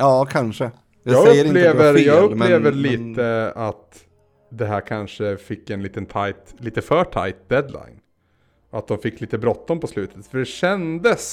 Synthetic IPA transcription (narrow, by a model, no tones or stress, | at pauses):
ɑːkʰanʂə | jɑːɡɵːəɾɪleːvəɾjɑːɡɵpp̪ːeːvəɾliːt̪əat̪ | d̪ɛɦæːɾkʰanʂəfɪkːɛnliːt̪ənt̪ʰajt̪liːt̪əfœːʈʰa̰jt̪̚d̪ɛd̪la̰ɪn | ɔat̪̚d̪ɔmfɪkːliːt̪əbɾɔt̪ːɔmpɔslʉ̟ːt̪ʰə̥t̪fœɖɛɕɛnd̪əs